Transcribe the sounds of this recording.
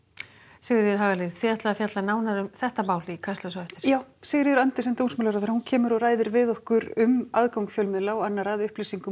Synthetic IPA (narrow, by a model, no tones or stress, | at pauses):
sɛːɣʏɾjɛɾ̥ɦaːɣaleɾθfviaht̪laðafjat̪lanaːwnaɾʏmθɛht̪amaːwlɪikʰast̪lasɔɛft̪ɪɾ̥jaːwsɛːɣɾjɛɾant̪ɪsɛmt̪ownsmːlaɾaθaɾahuncʰɛːmʏɾɔraːjðɪɾvɪðɔhkʏɾʏmaðkawŋkfjœlmɪlawanːaɾaðʏhplisiŋkʏ